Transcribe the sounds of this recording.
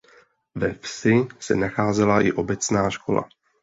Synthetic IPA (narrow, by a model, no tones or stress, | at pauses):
vɛfsɪsɛ̰naxaːzɛlaʔɪʔo̞bɛt͡snaːʃko̞̰la̰